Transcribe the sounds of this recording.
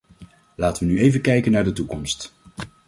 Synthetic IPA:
laːtəʋənyejvənkɛjkənaːɹdətukɔmst

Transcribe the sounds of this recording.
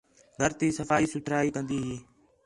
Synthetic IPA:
ɡʱəɾt̪iːsəfaːiːsʊt̪ʰɾaːiːkə̃nd̪iːɦiː

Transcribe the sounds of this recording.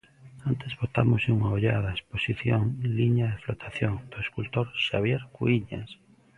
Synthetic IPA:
ant̪ezβot̪amoseuŋaoʎaðaesposiθjoŋliɲaðeflot̪ʰaθjoŋd̪̥oeskult̪oɾʃaβjeɾkuiɲa̰s

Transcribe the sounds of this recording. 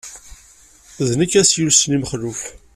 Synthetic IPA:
znəkːæsjulsnimχluɬ

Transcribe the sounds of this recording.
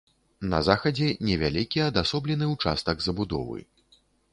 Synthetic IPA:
nɐ̰zaxɐd͡zʲɛnʲɛvʲalʲikʲiɐd̪asɔblʲɛnɨwt͡ʂa̰st̪ɐɡzɐbud̪ɔ̰vɨ̰

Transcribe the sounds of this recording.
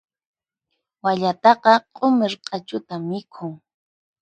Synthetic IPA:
waʎat̪ɑqɑqʼomɪɾqʼɑt͡ʃʊt̪amːɪkʰʊŋ

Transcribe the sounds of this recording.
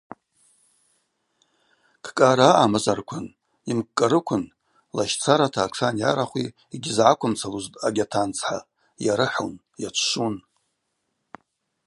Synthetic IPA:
kʰkʼaɾaʔamazarkʷʰʊn | imkʼːaɾɨkʷʰʊn | laʃt͡sʰaɾatʰaːʈ͡ʂʰanjaɾaχʷi | iɡʲɪzʕakʷʰʊmt͡sʰaluztʼaɡʲatʰant͡sʰħa̰ | jaɾɨħo̰n | jat͡ʃʷʰʃun

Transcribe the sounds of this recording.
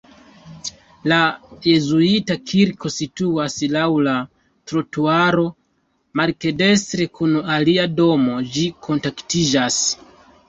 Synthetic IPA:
laje̞zuitakʰiɾkʰo̞situaslawla | tɾotuaɾo̞ | maɾke̞de̞stɾe̞kunaliado̞mo̞d͡ʒikʰo̞ntaktid͡ʒas

